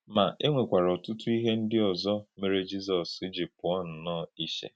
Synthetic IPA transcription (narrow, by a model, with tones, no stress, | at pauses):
ma˨ʔe˦ŋʷe˨kʷa˨ɾɔ˨tʊ˦tu˦i˦ɦe˦n̩˦dɪ˦ɔ˨zɔ˦me˨ɾe˦d͡ʒi˦zɔ˨si˦d͡ʒi˨pʊ˨ɔ˦n̩˨nɔː˦˨i˦ʃḛ˨